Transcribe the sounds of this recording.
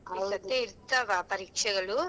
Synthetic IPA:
ɐɐt̪ːeiɾt̪ːɐʋapɐɾiːkʂɐɣɐɭu

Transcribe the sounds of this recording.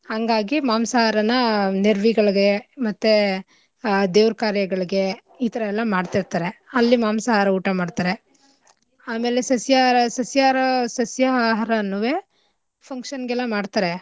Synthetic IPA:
haŋɡaːɡimaːmsaːɦaɾɐnɐneɾʋiɡɐɭɐɡe̞mɐt̪ːe | d̪eːʋɾkaːɾjɐɡɐɭɐɡe̞ | iːt̪ɐɾɐɛlːɐmaːɖt̪iɾt̪aːɾe̞ɐlːimaːmsaːɦaɾɐuːʈɐmaːɖt̪aːɾe̞ | aːme̞ːlesɐsjaɾɐsɐsjaɾɐsɐsjaːɦaɾɐnːuʋeː | pʰɐŋkʂɐnɡɛlːɐmaːɖt̪aːɾe

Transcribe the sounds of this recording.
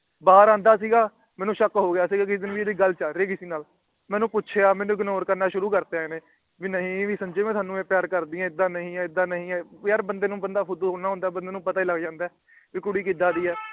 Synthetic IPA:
baːɾãːnd̪aːs̬iːɡaː | mɛːnũːʃəkɦoːɡɪjaːsiːɡaːkɪsd̪ɪnʋieːd̪iːɡəlt͡ʃaːɾeːkɪsiːnaːl | mɛ̃ːnũːpʊtːʃʰeːaːmɛːnũːɡnoːɾkəɾnaːʃʊɾuːkəɾt̪eãnẽː | ʋiːnəɦĩːʋiːsə̃ɲd͡ʒeːmɛ̃ːt̪ʰaːnũːeːpɪjaːɾkəɾd̪iːãːɪd̪ãːnəɦĩːɛ̃ːɪd̪ãːnəɦĩːɛ̃ːəɾbənd̪eːnũːbənd̪aːpʰʊd̪uːɦoːnaːɦʊ̃nd̪aːbənd̪eːnũːpət̪aːiːləɡd͡ʒãːnd̪ɛː | ʋiːkʊɽiːk̬iːd̪aːd̪iːɦɛː

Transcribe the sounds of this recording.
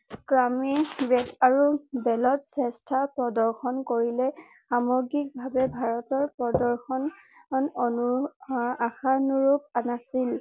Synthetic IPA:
kɹamibɛdaɹubɛlɔtsɛstʰapɹɔdɔɹxɔnkoɹilɛ | xamɔɡik̚bʱabɛbʱaɹɔtɔɹpɹɔdɔɹxɔn | nɔnu | axaɔnuɹup̚anasil

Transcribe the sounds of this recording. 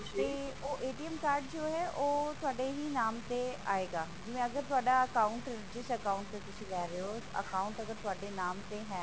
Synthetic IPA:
t̪eːoːʔeːʈiəmkaːɾɖd͡ʒoːɦɛːʔoːt̪ʊaːɖeːɦiːnaːmt̪eːa̰ːeːɡaːd͡ʒɪʋɛ̃ːəɡəɾt̪ʊaːɖaːəkaːʊɳʈɾɪd͡ʒɪsʈəkaːʊɳʈt̪eːt̪ʊsĩːlɛːɾeoːə̰kaːʊɳʈəɡəɾt̪ʊaːɖeːnaːmt̪eːɦɛ̃ː

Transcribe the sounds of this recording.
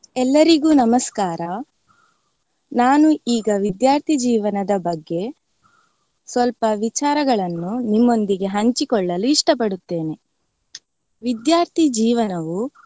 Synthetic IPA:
ɛlːɐɾiɡuːnɐmɐskaːɾɐ | naːnuiːɡɐʋid̪jaːɾt̪ʰid͡ʒiːʋɐnɐd̪ɐbɐɡːe̞ | sʋɐlpɐʋit͡ʃaːɾɐɡɐɭɐnːunimːo̞nd̪iɡe̞ɦɐɲt͡ʃikɔɭːɐluiʂʈɐpɐɽut̪ːe̞ːne̞ | ʋid̪jaːɾt̪ʰid͡ʒiːʋɐnɐʋu

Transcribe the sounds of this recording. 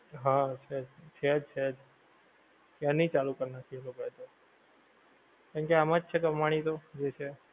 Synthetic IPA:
ɦãt͡ʃʰed͡ʒt͡ʃʰed͡ʒt͡ʃʰed͡ʒ | kanit͡ʃalukəɾnat̪ʰilokəɦt̪o | kaɳkeamad͡ʒt͡ʃʰekəmaɽ̃it̪od͡ʒet͡ʃʰe

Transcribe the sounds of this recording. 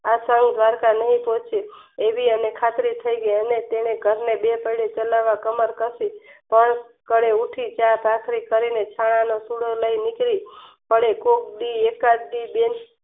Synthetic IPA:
asəŋɡd̪ʋaɾkanəɦĩpot͡ʃʰeːʋiənekʰat̪ɾit̪ʰəiɡəiənet̪eneɡʱəɾnebepəiɽet͡ʃəlaʋakəməɾkəɾsipəɳ | kəɽeuʈʰit͡ʃapakʰɾikəɾinet͡ʃʰaɽ̃anosuɽələinikɾipəɽekok̚ɖiekaɖiben

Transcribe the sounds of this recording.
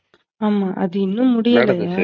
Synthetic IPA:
aːmaːʔɐðɯɪnːɯ̃mʊɽɪjɐlɐjaː

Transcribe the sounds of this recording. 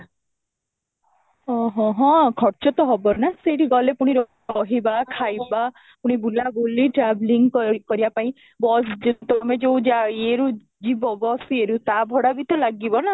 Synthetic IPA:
ɔɦɔ̃ɦɔ̃kʰɔɾt͡ʃɔt̪ɔɦɔbɔnaseʈiɡɔlepuɽ̃iɾɔ | ɔɦibakʰajba | puɽ̃ibulaboliʈɾabliŋɡkkɔɾibapaĩ | bɔsd͡ʒet̪ɔmed͡ʒeũd͡ʒaeɾu | d͡ʒibɔbɔseɾut̪abʱɔɽabit̪ɔlaɡibɔna

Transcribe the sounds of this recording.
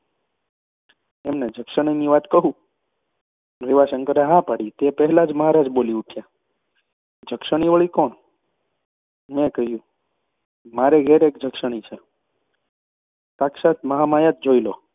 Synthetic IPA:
emned͡ʒʱəkʃəɳ̃əniʋat̪kəɦũ | ʋiʋasəŋkəɾeɦapaɽit̪epəɦɛlad͡ʒməɦaɾad͡ʒboliukʰja | d͡ʒʱəkʃəɳ̃iʋəɭikoɳ | mẽkəɦjũ | maɾeɡʱeɾekd͡ʒʱəkʃəɽ̃it͡ʃʰe | t̪aksat̪ʰməɦamajat̪̚d͡ʒoilo

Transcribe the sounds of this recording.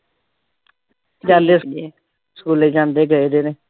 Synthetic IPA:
d͡ʒaːleːse | skuːleːd͡ʒãːnd̪eːɡəed̪eːneː

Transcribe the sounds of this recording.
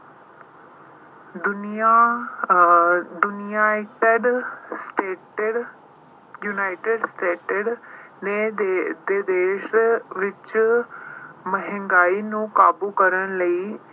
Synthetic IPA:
d̪ʊna | d̪ʊnɪjaːʈɖsʈe | junaːɪʈeɖsʈeːʈəɖned̪eːd̪eːʃʋɪt͡ʃ | məɦɪ̃ŋɡaːiːnũːkaːbuːkəɾənləiː

